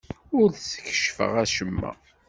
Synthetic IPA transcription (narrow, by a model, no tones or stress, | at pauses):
ʊɾsə̥çə̥ʃfə̰ʁæʃəmːæ̰